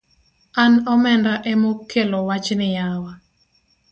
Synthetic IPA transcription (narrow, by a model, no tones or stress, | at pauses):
anɔmɛndaʔɛmokʰːelowat͡ʃnɪjawa